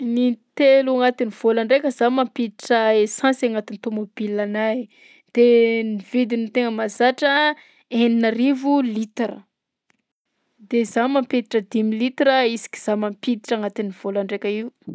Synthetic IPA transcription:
nit̪eluaŋat̪iniv̥olaɳɖ͡ʐekʲəzamampit̪iʈ͡ʂəesãsaŋat̪init̪omobilana | d̪̥enivid̪init̪eŋəmazaʈ͡ʂə | eninaɾivulit̪eɾə̰ | d̪ezamamped̪i̥ʈ͡ʂəd̪imilit̪ɾəisi̥kʲi̥z̥amampid̪iʈ͡ʂaŋat̪iniv̥olaɳɖ͡ʐekʲəiu

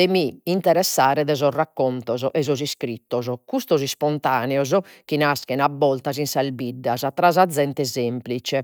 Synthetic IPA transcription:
ɛmiːnt̪ɛɾɛsːaːɾɛðɛzɔrakːɔnt̪ɔzɔʔɛzɔziskɾit̪ːɔzɔkust̪ɔzispɔnt̪aːnɛɔzɔ | k̟inaskɛnabːɔlt̪azinsalbiɖːazat̪ɾazad̪zːɛnt̪ɛzemplit͡ʃɛ

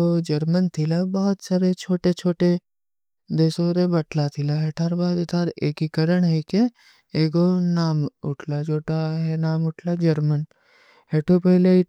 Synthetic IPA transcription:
od͡ʒɐɾmənt̪ʰilabɔɦʊt̪saːɾet͡ʃʰoːʈet͡ʃʰoːʈe | d̪eːsoːɾebɐʈlat̪ʰilaɦeʈʰaːɾbaːd̪ʊt̪ʰaːɾeːkikəɾəɽɦɛke | eːɡonaːmʊʈʰlad͡ʒʰoːʈaɦɛnaːmʊʈʰlad͡ʒɐɾmən | ɦeʈʰopəɦɪle

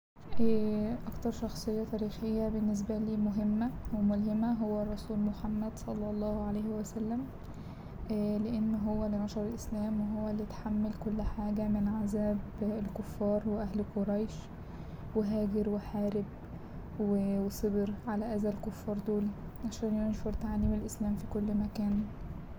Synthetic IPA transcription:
ʔæʔɑkt̪ɑɾˤʃɑxsˤejːɑt̪æːɾiːxejːæbenːes̬bæliːmoɦemːæwemolhemæɦowːærˤːɑsuːlmoħamːæd̪sˤɑlːɑlˤːɑːhʕalæːhewæsælːæm | leʔenːɦowːælinɑʃɑɾˤelʔeslæːmweɦowːælːijt̪ħamːælkolːħaːɡæmɪnʕazæːbelkofːɑːɾˤweʔæɦlqoɾˤɑjʃ | weɦæːɡɪɾweħaːɾɪb̚ | wewesˤebɾʕalæʔæːzælkofːɑːɾˤd̪oːliʕaʃæːnjonʃoɾˤt̪ʕalimelʔeslæːmfiːkolːmækæːn

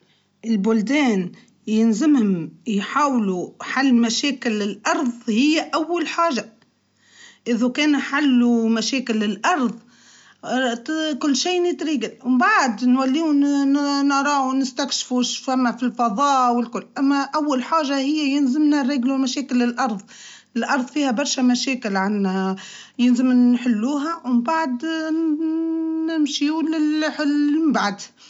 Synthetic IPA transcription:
ʔɪlbʊld̪ɛːn | jɪnzɪmhʊmjħaːwluħalːmæʃɛːkɪlːɪlʔɑɾˤðˤhɪjːæʔawːalħaːʒa | ʔɪðukɛːnħalːumæʃɛːkɪlːɪlʔɑɾˤðˤ | kʊlːʃiːnɪt̪ɾiːɡɪlwmbaʕd̪nwælːiːʊ | nɾˤɑːʕunɪst̪ækʃfuʃfæmːæfilfɑðˤɑːwɪlkʊlːʔæmːæʔawːalħaːʒahɪjːæjɪnzɪmnaɾˤɪːɡlumæʃɛːkɪlːɪlʔɑɾˤðˤ | ɪlʔɑɾˤðˤfiːhæbɑɾˤʃæmæʃɛːkɪlʕanːh | jɪlzɪmːħɪlːuːɦæwmbaʕd̪ | nɪmʃiulɪlħɪlmbaʕd̪

